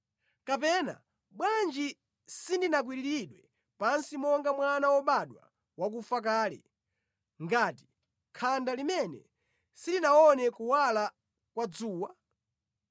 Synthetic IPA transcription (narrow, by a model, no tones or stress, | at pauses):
kap̬ɛna̰ | ɓwand͡ʒi | sindinak̬wiɾiɾiɗwɛ | pansimɔŋɡamwanawɔɓaɗwa̰ | wak̬ufak̬aːlɛ̰ | ŋɡaːti̥ | kʰandalimɛnɛ̰ | sidinaɔnɛkuwala | kwad͡zuːwa